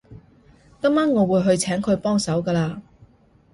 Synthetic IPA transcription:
kɐ˥maː˥nŋɔː˨˧wuː˨˧jɦɵ˧ɥt͡sʰɛː˨˥ŋkʰɵ˨˧ɥpɔː˥ŋsɐ˨˥wkɐː˧laː˧

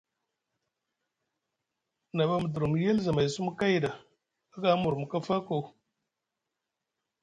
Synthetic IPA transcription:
na˨ba˦m˨du˨ɾu˨m˨je˦lza˨ma˨jsu˦m˦ka˦jda˨ | a˦ɡa˨˦mu˨ɾmu˨ka˦fa˦ko˨

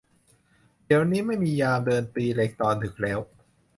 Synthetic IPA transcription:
di˩˦əwniː˦˥ma˥˩jmiː˧jaː˧mdɤː˧nt̪iː˧le˦˥k̚t̪ɔː˧nt̪ʰɯ˨˩˦k̚lɛː˦˥w

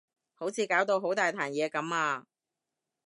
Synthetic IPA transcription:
ho˨˥wt͡sʰiː˨˧kaː˨˥wt̪o˧wɦo˨˥wt̪aː˨jt̪ʰaː˨˩njɛː˨˧kɐ˨˥maː˧

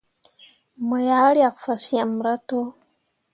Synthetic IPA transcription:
mo˨ja˦ɾja˨kfa˨si˦a˨m˨ɾa˦to˦

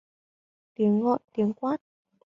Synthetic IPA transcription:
t̪i˨˩˦ənɣɔ̰˧˨ʔt̪i˨˦ənkwaː˦˥t̚

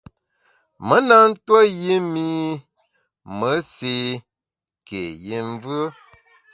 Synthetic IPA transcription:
mə˦na˦n̩˦twə˦ji˦mi˦ | mə˨˦si˨ | ke˨ji˦ɱ˦vɯ˦

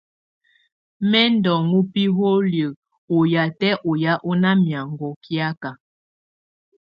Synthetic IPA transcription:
mɛ˦ndɔ˨ŋu˦pi˦ɦo˦ljə˨ | o˨ja˨tɛ˦ʔo˨ja˦ʔo˦na˦mja˨ŋ˨ɡo˨kja˦ka˨

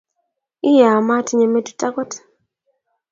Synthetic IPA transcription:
ɪ˦ja˨ma˦ti˦ɲe˨me˦du˨ta˦kɔ˦t

